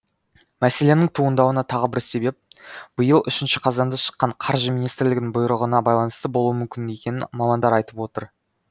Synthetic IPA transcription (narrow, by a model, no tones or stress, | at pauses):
mæse̞le̞nɪŋt̪ʰuənd̪ɑwənɑt̪ʰɑʁəbɪɾse̞be̞p̚b̥əjəlˠʏ̰ʃɪnʃɪqʰɑzɑnd̪ɑʃə̥qːɑɴqʰɑɾʒəmijnijst̪ɪɾlɪɡʲɪnɪŋbʊjɾəʁənɑbɑjlˠɑnəst̪əbo̞lˠuwəmʏmkʲɪne̞kʲe̞nɪmɑmɑnd̪ɑɾɑjt̪əpwo̞t̪əɾ